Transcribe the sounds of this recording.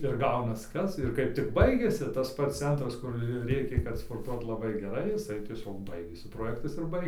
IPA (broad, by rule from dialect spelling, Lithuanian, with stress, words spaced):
ɪr ˈɡɐʊnɐs ˈkɐs ɪr ˈkɐɪp tʲɪk ˈbɐɪɡʲɛsʲɪ tɐs ˈpɐts ˈt͡sʲɛntrɐs kʊr ˈrʲeːkʲeː kɐt spoːrˈtuɔt lˠɐˈbɐɪ ɡʲɛˈrɐɪ jɪˈsɐɪ tʲiɛˈsʲoːk ˈbɐɪɡʲeːsʲɪ proːˈjæːktɐs ɪr ˈbɐɪ